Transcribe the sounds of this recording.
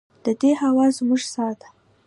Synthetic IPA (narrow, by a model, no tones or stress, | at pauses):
d̪̥əd̪ehawɑzmuʒsɑt̪ḁ